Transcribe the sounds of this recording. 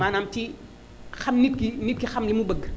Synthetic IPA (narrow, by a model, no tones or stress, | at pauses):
aːnamti | xamnit̚kinit̚kixamlimubəɡ